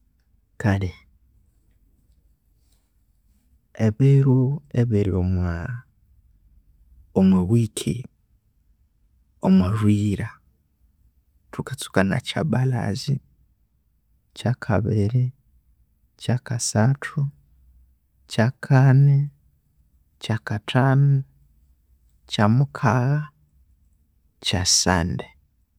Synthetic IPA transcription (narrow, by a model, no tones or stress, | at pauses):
kali | eβiɾueβiɾiomwa | omweβwikʰḭ | omwaʒwiːɾa | tʰukat͡su̥kana̰t͡ʃa̰bala̰zi | cakʰa̰βiɾi | cakasatʰu | cakʰane | cakatʰanu | camukʰaɣa | casa̰nde